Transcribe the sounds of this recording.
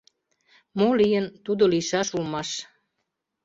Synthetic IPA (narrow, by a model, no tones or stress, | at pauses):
molijənt̪ud̪oliʃɑʃulmɑʃ